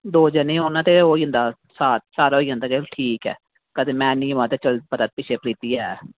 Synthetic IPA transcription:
d̪oːd͡ʒənẽːonãːt̪eːoːiːə̃nd̪aː | saːt̪saːɾaoiːɦə̃nd̪aːkeʈʰiːkɛ̰ː | kəd̪eːmɛ̃ːnĩːʊaːt̪eːt͡ʃəlpət̪aːt̪̚pɪt͡ʃʰeːpɾiːt̪iːɛː

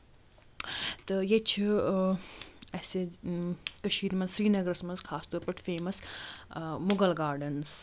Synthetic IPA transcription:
t̪ɐjet͡ʃʰi | ɐse | kɐʃiːɾmɐ̃nzsɾiːnɐɡɾɐsmɐnzkʰaːst̪oːɾpɐʈʰfeːmɐs | mʊɡɐlɡaːɾɖɐns

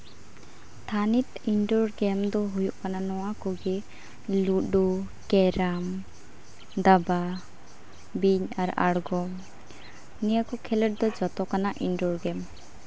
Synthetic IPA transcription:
t̪ʰanit̪inɖɔɾɡɛmd̪ɔɦujuʔkananɔwakɔɡɛ | ludɔ | kɛɾam | d̪aba | biɲaɾaɽɡɔm | nijakɔkʰɛləʈ̚d̪ɔd͡ʒɔt̪ɔkanaʔinɖɔɾɡɛm

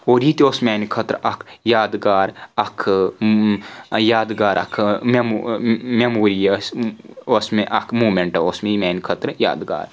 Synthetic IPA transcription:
oːɾit̪osmeːnkʰɐt̪ɾɐkʰjaːd̪ɡaːɾɐkʰ | jaːd̪ɡaːɾʔɐ̰kʰmemmemoːɾijɐsosmeʔɐkʰmuːmeɳʈɐoːsmeimeːnkʰɐt̪ɾja̰ːd̪ɡa̰ːɾ

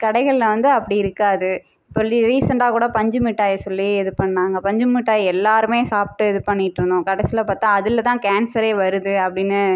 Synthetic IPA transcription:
kɐɽɐɪɣɐɭlɐʋɐnd̪ɯɐpːɐɽiɪɾɯkːaːðɯ | ɪpːɐiɾiːsɐɳɖaːkuːɽɐpɐɲd͡ʒɯmɪʈːaːjɐsɔlːieɛðɯpɐɳːãːŋɡɐpɐɲd͡ʒɯmɪʈːaːjɛlːaːɾɯmeːsaːp̚ʈːɯɛðɯpɐɳːɪʈːɾɯnd̪õːkɐɽɐsɪlɐpaːɾt̪ãːɐðɪlɐt̪ãːkaːnsɐɾeːʋɐɾɯðɯɐpːɐɽɪnːɯ

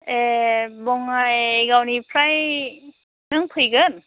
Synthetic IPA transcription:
ebɔŋːajɡawnipʰɾaj | nɯŋpʰɯjɡɯn

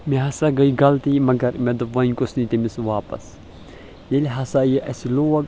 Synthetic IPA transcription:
miɦɐsaɡɐiɡɐlt̪imɐɡɐɾmed̪uʋɐnʲkusnit̪imisʋaːpɐ̰s | jeliɦɐsajeʔɐsiloɐɡ

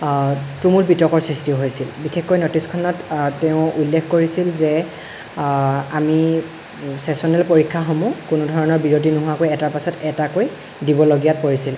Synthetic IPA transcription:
tumulbitɔkɔɹsɹistiʊɦojsilbixʰexkːojnotiskʰɔnɔtːeʊ̃ulːekʰkoɹisilzɛ | ami | sɛsɔnɛlpoɹikʰːaxɔmukunudʱɔɹɔnɔɹbiɹot̬inʊɦuakojɛtaɹpasɔtɛtakoj | dibɔloɡijat̚poɹisil

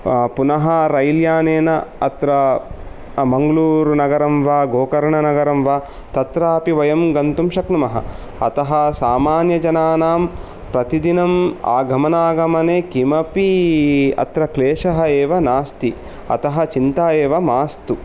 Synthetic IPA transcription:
punɐɦɐɾɐjljaːneːnɐɐt̪ɾɐ | mɐŋɡɐluːɾnɐɡɐɾɐmʋaːɡoːkɐɾɐɳɐnɐɡɐɾɐmʋaː | t̪ɐt̪ɾaɐpiʋɐjɐmɡɐnt̪umʃɐknumɐɦɐ̰ | ɐ̰t̪ɐɦɐsaːmaːnjɐd͡ʒɐnaːnaːm | pɾɐt̪id̪inɐma̰ːɡʱɐmɐnaːɡʱɐmɐneːkimɐpi | ɐ̰t̪ɾɐkleːʂɐɦɐeːʋɐnaːst̪i | ɐ̰t̪ɐɦɐt͡ʃint̪aːjeːʋɐmaːst̪u

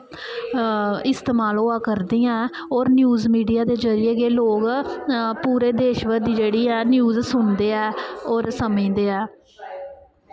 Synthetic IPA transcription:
ɪst̪eːmaːloːaːkəɾd̪iːãː | ɔːɾnjuːzmiːɖijaːd̪eːd͡ʒəɾɪjeːkeːloːɡ | puːɾeːd̪eːʃʋəd̪iːd͡ʒeːɽiːɛːnjuːzsʊnd̪eːɛːɔːɾsəmĩːd̪eːɛː

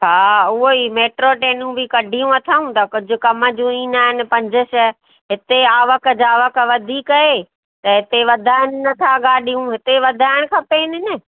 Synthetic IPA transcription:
ɦaːʊɦoimeːʈɾoʈeːnũbɪkɐɖʱijũɐt̪ʰaːũt̪ɐkʊd͡ʑʱʊkɐmə̆d͡ʑũiːnaːɦɪnɪ̆pɐ̃ɲd͡ʑəʃə | ɦɪt̪eaːʋək̆d͡ʑaːʋək̆ʋɐd̪ʱikɐe | t̪ɐɦɪt̪eʋɐd̪ʱaːɪnɪnɐt̪ʰaɡaːɗʱijũɦɪt̪eʋɐd̪ʱaːɪɽ̃kʰãːpeːnɪnɪ

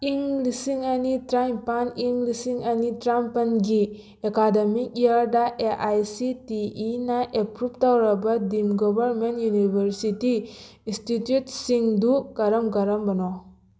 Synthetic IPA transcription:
iŋlisiŋɐnitɾajmpaniŋlisiŋɐnitɾampanɡi | ekademik̚iaɾdaʔeʔajsitiːnaʔepɾup̚tawɾɐbadimɡɔbɐɾmentjunibʱeɾsiti | institjutsiŋduɡaɾɐmɡaɾɐmbɐnɔ

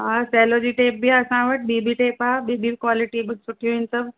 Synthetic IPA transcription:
ɦasɛːlod͡ʑiːʈeːp̚biaɐsãʋɐʈ̚ɓibiʈeːpaːɓibiːbkwaːlɪʈibɪsʊʈʰijũɪnsɐb

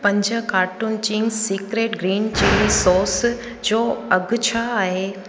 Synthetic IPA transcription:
pɐ̃ɲd͡ʑə̆kaːɾʈʊnt͡ɕĩŋɡsiːkɾeːʈɡɾiːnt͡ɕilisɔːɾs | d͡ʑoːɐɡʱʊt͡ɕʰaːɦe

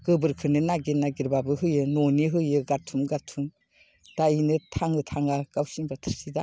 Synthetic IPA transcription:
ɡ̥ɯbɯɾkʰɯnɯnaɡiɾnaɡiɾbabɯɦɯjɯnɔniɦɯjɯɡatʰumɡatʰum | d̥ainɯtʰaŋɯtʰaŋɡaɡ̥awsinbatʰɯɾsida

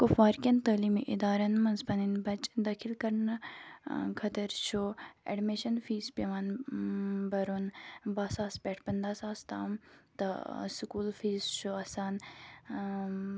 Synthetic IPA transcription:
kʊfaːɾkʲɐnt̪ɐːliːmiʔɪd̪aːɾɐnmɐnspɐninbɐt͡ʃd̪ɐkʰilkɐɾnɐ | kʰɐt̪ɐɾt͡ʃʰoḛɖmeʃɐnfʰiːspeʋaːn | bɐɾonbaːsaːspʲɛːʈʰpɐnd̪aːsaːst̪a̰ːmt̪ɐsukuːlfiːzt͡ʃʰoɐsaːn

